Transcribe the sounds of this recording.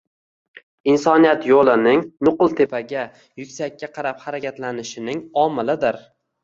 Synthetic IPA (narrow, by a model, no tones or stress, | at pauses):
insɒnijat̪jolˠɪnɪŋnʊqlˠt̪ʰe̞pʰaɡʲa | jʊkʲsakʲːaqʰɑɾaphaɾakʲʰat̪lanɪʃɪnɪŋɒmɪlɪd̪ɪɾ